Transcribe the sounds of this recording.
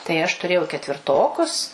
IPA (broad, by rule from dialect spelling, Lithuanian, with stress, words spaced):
tɐɪ ɐʃ tʊˈrʲeːjɛʊ kʲɛtʲʋʲɪrˈtoːkʊs